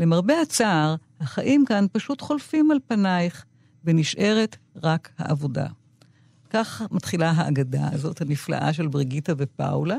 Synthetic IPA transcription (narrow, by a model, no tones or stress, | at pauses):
lemaʁbe̞at͡saːʁhaχaʔimkanpaʃutχo̞lfimalpanajχ | veniʃʔe̞ʁetʁakha̰ʔavo̞da̰ | kaχmatχilaɦaʔːɡada̰zo̞thanifla̰ʔa̰ʃ̬e̞lbʁiɡitavepa̰wla